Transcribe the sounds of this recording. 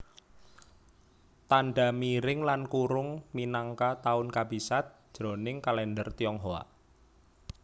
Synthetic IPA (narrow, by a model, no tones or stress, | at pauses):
t̪anɖa̤miɾɪŋlankuɾʊŋminaŋkat̪aʊnkab̥i̤sat̪̚ʒ̥ɾo̤nɪŋkalɛndərt̪iɔŋɦoa̰